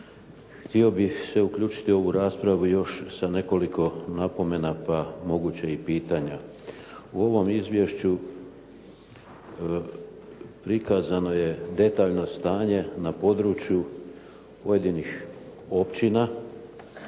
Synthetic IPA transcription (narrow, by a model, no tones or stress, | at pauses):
xt̪io̞bixse̞ukʎuːt͡ʃi̥t̪io̞ʋuɾaːspɾaʋujo̞ʃsane̞ko̞likʰo̞napo̞me̞napamo̞ɡut͡ɕaipiːt̪aɲa̰ | uo̞ʋo̞mizʋje̞ʃt͡ɕu | pɾikazano̞je̞d̪e̞t̪aːʎno̞st̪aːɲe̞napo̞d̪ɾut͡ʃju | poje̞d̪inixo̞pt͡ɕina